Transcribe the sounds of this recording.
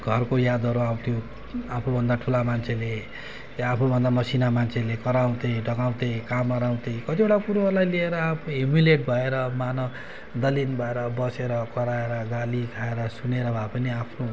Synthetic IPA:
ɡʱʌrkojad̪ʌɾuaw̃t̪ʰijo | apʰnobʱʌnd̪aʈʰulamant͡sʰele | apʰnobʱʌnd̪amʌsinamant͡sʰelekʌɾaw̃t̪eɖʌɡaw̃t̪ekamʌɾaw̃t̪ekʌt̪ibeʈakuɾoʌrlajlieɾʌapʰoimileʈ̚bʱʌeɾʌmanʌ | d̪ʌlinbʱʌeɾʌbʌseɾʌkʌɾaeɾʌɡalikʰaeɾʌsuneɾʌbʱapʌniapʰno

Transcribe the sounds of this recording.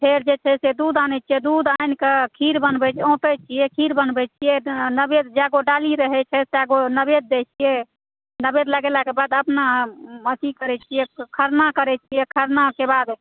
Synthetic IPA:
pʰeɾd͡ʒet͡ʃʰɛsed̪ud̪anɛt͡ʃʰijɛd̪ud̪ajnkekʰiɾbənbɛt͡ʃʰõt̪ɛt͡ʃʰijɛkʰiɾbənbɛt͡ʃʰijɛnəbed̪d͡ʒaɡoɖaliɾəɦɛt͡ʃʰɛseaɡonəbed̪̚ːet͡ʃʰijɛ | nəbed̪ləɡelakebad̪əpnamət͡ʃ̪ikəɾɛt͡ʃʰijɛkʰəɾnakəɾɛt͡ʃʰijɛkʰəɾnakebad̪

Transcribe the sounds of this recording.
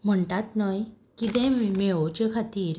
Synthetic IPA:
m̤əɳʈat̪nəj | kit̪ɛ̃meot͡ɕəkʰat̪iːɾ

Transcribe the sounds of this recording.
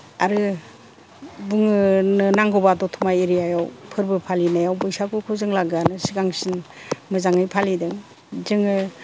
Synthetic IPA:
aɾɯ | buŋɯnɯnaŋɡɔbadɔtʰumajeɾijajawpʰɯɾbɯpʰalinajawbɔjsakukʰuzɯŋlaɡɯanɯsiɡaŋsinmɯzaŋɯjpʰalidɯŋ | zɯŋɯ

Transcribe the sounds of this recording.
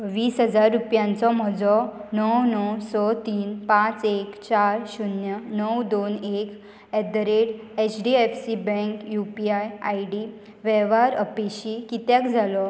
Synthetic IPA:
ʋiːsɦəd͡zaɾːupjãnt͡sɔm̤ɔd͡zɔnəwnəwsɔt̪iːnpãt͡sekt͡ɕaɾɕunjənəwd̪onek | ɛd̪ɾeɽ | et͡ɕɖiefsibɛ̃ŋkjupiajajɽi | ʋɛʋaɾəpeɕikit̪jakd͡zʱalɔ

